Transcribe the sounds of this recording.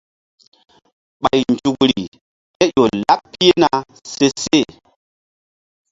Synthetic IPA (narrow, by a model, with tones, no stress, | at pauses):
ɓa˨jnd͡ʒu˨kɾḭ˨ | ke˦jo˨la˦pːi˦e˦na˨ | se˦se˦˨